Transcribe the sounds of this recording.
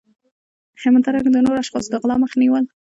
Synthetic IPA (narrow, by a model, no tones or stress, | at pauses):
hɪmət̪aɾakd̪ənoɾaʃxɑsɡəɣlɑməxniwəl